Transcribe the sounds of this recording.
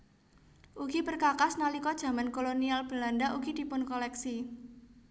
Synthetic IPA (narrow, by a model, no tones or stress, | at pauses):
ʔuɡibərkakasnalikɔd̥ʒ̥a̤mankolonialb̥ə̤landaʔuɡ̥id̪̥i̤pʊnkɔlɛksi